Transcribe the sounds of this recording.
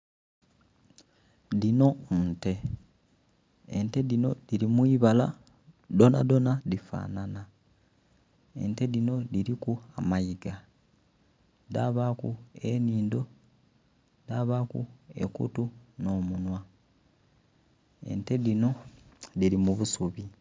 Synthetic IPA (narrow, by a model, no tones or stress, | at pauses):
ðino̞nte̞ | ente̞ðino̞diɾimwiːβala̰ | do̞na̰do̞naðifa̰ːnana | e̞̰nte̞ðino̞diɾikuamajiɡa | daːβakṵe̞niːndo̞ | daβakṵe̞̰kṵtuno̞ːmunwa | ḛnte̞ðino̞ðiɾimuβusuβi